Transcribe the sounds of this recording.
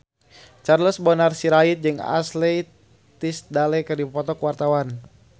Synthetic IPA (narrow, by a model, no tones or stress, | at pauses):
t͡ʃarləsbɔnarsiɾait̪̚d͡ʒɨŋa̰slɛj | t̪isdalɛkərdipɔt̪ɔkuwart̪awan